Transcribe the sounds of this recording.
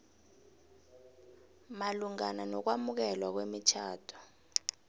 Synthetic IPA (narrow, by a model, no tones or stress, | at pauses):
maluŋananɔk̬wamuk̬ɛlwak̬wemit͡ʃʰaːtʰɔ̥